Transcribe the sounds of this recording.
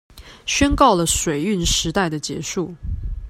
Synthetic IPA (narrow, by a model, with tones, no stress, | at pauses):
ɕɥɛ˥nkɑ˥˩ʊlə˩ʂwe˨˩ɪy˥˩nʂɻ̩˧˥t̪a˥˩ɪd̪ə˩t͡ɕjɛ̰˧˥ʂu˥˩